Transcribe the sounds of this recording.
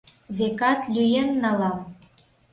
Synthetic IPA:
βekɑt̪lʲyjenːɑlɑm

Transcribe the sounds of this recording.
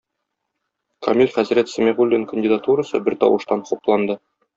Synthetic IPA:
kʰɒ̰mʲilʲχæzɾæt̪sɘmʲeʁulʲːinkə̆nʲdʲɪd̪at̪uɾɤsɤ̰bɘɾt̪ɒ̰wɤ̆ʃt̪ɑnχuplˠɑnd̪ɤ

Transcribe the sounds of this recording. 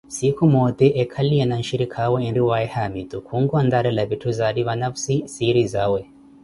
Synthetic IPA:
sikʰumɔt̪ɛʔɛkʰaliɛnanʃiɾikʰawɛinɾiwaɛhamit̪ukʰuŋɡwand̪aɾɛlaβitʰuzaɾiβanafsisiɾizawɛ

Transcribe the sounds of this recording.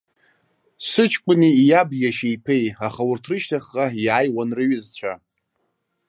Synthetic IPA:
sɨt͡ʃʰkʷʼʊnijabjaʃejpʰejaχawʊrtʰrɨʃtʰaχːaiajwanrɨɥɨzt͡ɕʷʰa

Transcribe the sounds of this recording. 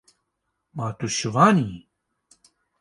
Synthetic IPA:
maːt̪uʃɨvaːni

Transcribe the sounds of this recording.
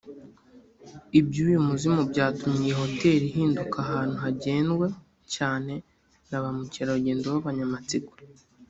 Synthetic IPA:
ibjuːjumuzimubɟaːtumɲijeɦo̞te̞ːɾiɦiːndukaɦaːn̥huɦaɟe̞ːnɡwe̞ | caːne̞ | naβamuciɾaɾuɟeːndowaβaɲamat͡siɡu̥

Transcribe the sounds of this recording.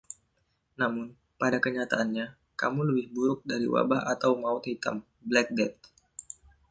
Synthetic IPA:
namʊn | padakəɲat̪aːnɲa | ka̰muləbɪhbuɾʊk̚daɾḭwa̰baɦat̪awmaʊt̪hit̪a̰m | blɛk̚dɛt̪̚

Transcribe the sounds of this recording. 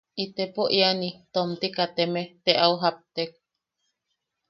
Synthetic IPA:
ʔit̪epoʔianit̪omt̪ikat̪emet̪eʔauɦap̚t̪ek̚

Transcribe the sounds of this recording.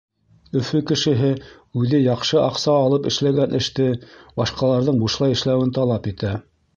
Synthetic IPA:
ɵ̆fɵkɘ̆ʃɘ̆ɦɘ | ʉðɘjɑqʃɤʔɑqsɑːlˠɤpɘ̆ʃlæɡænʔɘ̆ʃt̪ɘbɑʃqɑlˠɑɾðɤɴbuʃlˠɑjɘ̆ʃlæwɘnt̪ɑlˠɑpit̪æ

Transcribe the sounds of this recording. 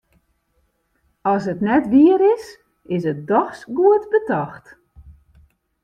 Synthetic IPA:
ɔs̬ətnɛtʋiəɾɪs | ɪs̬ət̚dɔxsɡuətbətɔxt

